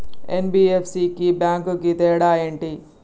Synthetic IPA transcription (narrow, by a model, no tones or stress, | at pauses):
enbiːepʰsiːkibjaːŋkuɡit̪eːɽaːeɳʈi